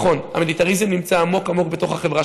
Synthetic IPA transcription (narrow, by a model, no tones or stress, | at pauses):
χo̞na̰melitaʁizemnimt͡saːmo̞kamo̞k̚be̞to̞χhaχe̞vʁa